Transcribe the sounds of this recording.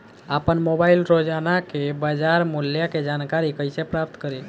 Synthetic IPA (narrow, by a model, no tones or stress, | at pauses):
apənmobaɪilɾod͡ʒanakebad͡ʒaɾmuljaked͡ʒankaɾikəjsepɾap̚t̪kəɾe